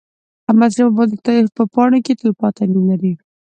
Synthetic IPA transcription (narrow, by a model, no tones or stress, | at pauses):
amazɾaabɑd̪t̪pəpɑɽoket̪ojpɑt̪anilaɾi